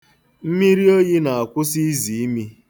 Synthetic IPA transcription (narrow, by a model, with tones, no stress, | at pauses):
m̩˦mi˦ɾi˦o˦ji˦na˨a˨kʷʊ˦si˦zi˨i˦mi˦